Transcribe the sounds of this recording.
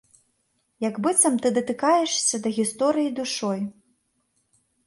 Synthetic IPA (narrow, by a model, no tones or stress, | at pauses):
jɐɡbɨt̪sɐmt̪ɨd̪ɐt̪ɨkajɛʂsʲɐd̪ɐɣʲist̪ɔɾɨjid̪uʂɔj